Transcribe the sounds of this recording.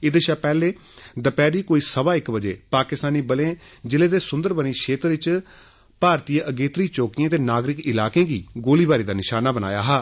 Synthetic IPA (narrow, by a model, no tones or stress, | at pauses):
ɪd̪ʃaːpɛːleː | d̪əpɛːɾiːkoːiːsəbaːɪkbəd͡ʒḛːpaːkɪst̪aːniːbəlẽː | d͡ʒɪleːd̪eːsʊ̃nd̪əɾbəniːʃʰeːt̪ɾəʋɪt͡ʃ | paːɾt̪iːəʔəɡeːt̪ɾiːt͡ʃoːkɪjãːt̪eːnaːɡɾɪkɪlaːkẽːɡḭːɡoːliːbaːɾiːd̪aːnɪʃaːnaːbəna̰ːja̰ːɦaː